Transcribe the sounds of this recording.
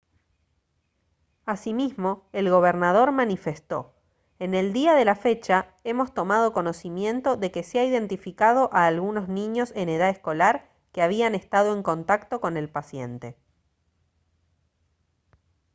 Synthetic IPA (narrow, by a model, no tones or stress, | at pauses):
asimizmo̞elɣo̞β̞eɾnað̞o̞ɾmanife̞st̪o̞̰ | e̞ne̞ld̪iaðe̞lafe̞t͡ʃa | e̞mo̞st̪o̞mað̞o̞ko̞no̞simjẽ̞nt̪o̞ðe̞keseaiðe̞nt̪ifikað̞o̞ʔaːlɣuno̞znĩɲo̞se̞ne̞ðaesko̞laɾ | keaβ̞iane̞st̪að̞o̞e̞ŋko̞nt̪akt̪o̞ko̞ne̞lpasje̞̰nt̪e̞